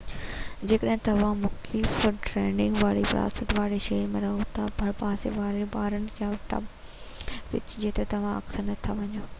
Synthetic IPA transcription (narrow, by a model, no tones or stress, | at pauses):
d͡ʑeːkəɗɦɪ̃t̪ɐʋ̤ãmʊxt̪lɪfʈɾɛːnɪ̃ŋɡʋaːɽiʋɪɾa̰ːsət̪ʋaːɽeʃeːɾmẽɾɐɦot̪ʰabʱɐɽpaːseʋaːɽeɓaːɾənɪ̆jãʈɐ̰b | ʋɪ̰t͡ɕd͡ʑeːt̪et̪ɐʋ̤ãɐ̰ksənɐt̪ʰaʋɐɲoː